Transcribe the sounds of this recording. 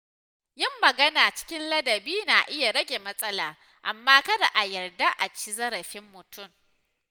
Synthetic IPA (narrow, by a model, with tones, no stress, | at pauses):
jɪ˦mːɐ˨ɡɐ˦naː˨t͡ʃɪ̥˦kʲɪ˦nlɐ˦dɐ˨biː˦na˨ʔɪ˦ja˨ɽɐ˦ɡʲe˨mɐ˦sʼɐ˦laː˨ | ʔa̰˨mːaː˦kɐ˦da˨ʔa˨jɐ˨rda˦ʔa˨t͡ʃi˦zɐ˦ɾɐ˨ɸɪ˦mːʊ˨tʊ˦˨m